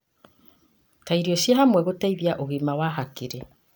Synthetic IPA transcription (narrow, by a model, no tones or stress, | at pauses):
taiɾioʃjaɦamwɛɣotaiβjaʔoɣimawaɦakiɾe